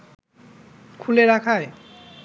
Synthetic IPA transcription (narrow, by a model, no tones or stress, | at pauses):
kʰuleɾakʰae